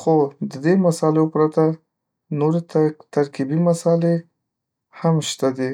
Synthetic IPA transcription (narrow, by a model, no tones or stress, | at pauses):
xod̪əd̪emasɑleopɾat̪a | noɾet̪aɾkibimasɑle | hamʃt̪ad̪i